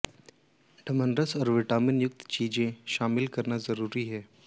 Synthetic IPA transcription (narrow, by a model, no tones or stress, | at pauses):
ɖʰʱəmənɾəsɔːɾʋɪʈaːmɪnjʊk̚t̪t͡ʃiːd͡ʒẽʃaːmɪlkɐɾnazɐɾuːɾiɦɛː